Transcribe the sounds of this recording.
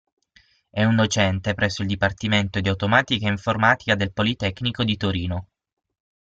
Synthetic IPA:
ɛund̪ot͡ʃɛnt̪epɾɛsːoild̪ipart̪iment̪od̪iawt̪omaːt̪ikaeiɱformaːt̪i̥kad̪elpolit̪ɛkːnikod̪it̪oɾiːno

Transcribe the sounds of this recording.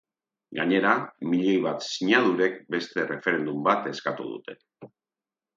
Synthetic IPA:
ɡaɲe̞ɾamiʎe̞jβ̞at̪siɲaðuɾe̞kbe̞st̪e̞re̞fe̞ɾe̞nd̪umbat̪e̞skat̪ṵðṵt̪e̞̥

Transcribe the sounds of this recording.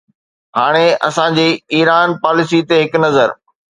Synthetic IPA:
ɦaːɽ̃eɐ̰sãd͡ʑiːiːɾaːnpaːlɪsit̪eɦɪknɐzəɾ

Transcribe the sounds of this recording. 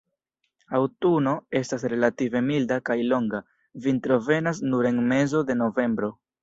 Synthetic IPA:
awtuno̞e̞stasɾe̞lative̞mildakajlo̞ŋɡa | vintɾo̞ve̞nas̬nuɾe̞nme̞zo̞de̞no̞ve̞mbɾo̞

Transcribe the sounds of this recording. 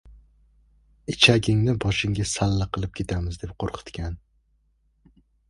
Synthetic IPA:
ɪt͡ʃʰaɡʲɪŋnɪbɒʃɪŋɡʲasalːaqʰɨlˠɪp̚kʲʰe̞t̪ʰamɪzd̪e̞p̚qʰoɾqʰɨ̥t̪kʲan

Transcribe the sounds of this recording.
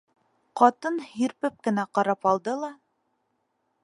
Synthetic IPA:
qɑt̪ɤnhiɾpɘp̚kɘ̆næqɑɾɑpɑlˠd̪ɤlˠɑ

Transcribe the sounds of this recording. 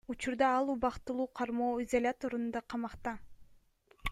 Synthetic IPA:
ut͡ʃuɾd̪ɑɑlˠuβɑqt̪ɯlˠuːqʰɑɾmoːizolʲat̪o̞ɾund̪ɑqʰɑmɑqt̪ɑ

